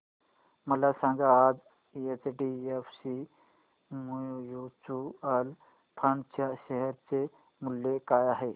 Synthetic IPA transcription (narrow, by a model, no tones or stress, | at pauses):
məlasãŋɡaːd͡z | et͡sɖiefsi | mujut͡ɕuəl | pʰəɳt͡ɕaɕəɦəɾt͡se | mulːekajaɦe